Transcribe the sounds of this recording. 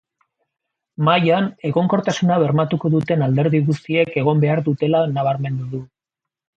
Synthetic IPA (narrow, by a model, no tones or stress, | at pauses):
majane̞ɣo̞ŋko̞ɾt̪asunaβ̞e̞ɾmat̪uko̞ðut̪e̞nald̪e̞ɾðiɣust̪ie̞ke̞ɣ̞o̞mbe̞aɾðut̪e̞lanaβ̞aɾme̞nd̪uðu